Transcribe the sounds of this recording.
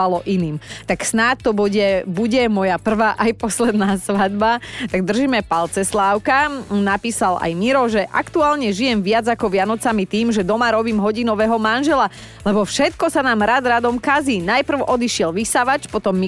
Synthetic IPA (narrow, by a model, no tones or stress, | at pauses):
alɔʔiniːmt̪aksnat̪ːɔbuɟɛbuɟɛmɔjapr̩ʋaʔajpɔslɛd̪naːsʋad̪bat̪aɡ̚d̪r̩ʒiːmɛpalt͡sɛslaːʊkanapiːsala̰jmiɾɔʒɛʔa̰kt̪uaːlɲɛʒijɛmʋɪad͡zakɔʋɪanɔt͡samit̪iːmʒɛd̪ɔmaɾɔbiːmɦɔɟinɔʋɛɦɔmanʒɛla | lɛbɔfʃɛt̪kɔsanaːmɾad̪ɾad̪ɔmkaziːnajpr̩ʊʔɔd̪iʃɪɛlʋisaʋat͡ʃpɔt̪ɔmːi